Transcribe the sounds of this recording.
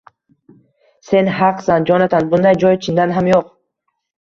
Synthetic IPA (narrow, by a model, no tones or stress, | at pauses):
se̞nɦaqsand͡ʒɒnat̪ʰanbund̪ajd͡ʒɔjt͡ʃʰind̪anɦamjoq̚